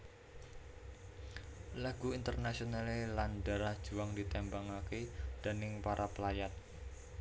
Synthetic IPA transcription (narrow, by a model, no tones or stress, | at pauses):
laɡ̥uint̪ərnasionalelandaɾahd̥ʒ̥uaŋdit̪ɛmbaŋaked̥anɪŋpaɾʔapəlajat̪̚